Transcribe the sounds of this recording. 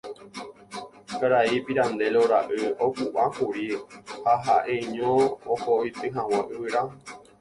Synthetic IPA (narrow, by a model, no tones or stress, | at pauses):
kaɾaipiɾãnd̪eloɾaʔɨofuʔãfuɾihaɦaʔeɲõokoit̪ɨɦãwãʔɨɨɾa